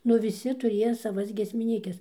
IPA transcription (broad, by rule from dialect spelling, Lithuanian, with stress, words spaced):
ˈnʊ ʋʲɪˈsʲɪ tʊˈrʲiɛjɛ sɐˈʋɐs ɡʲiɛsʲmʲɪˈnʲiːkʲɛs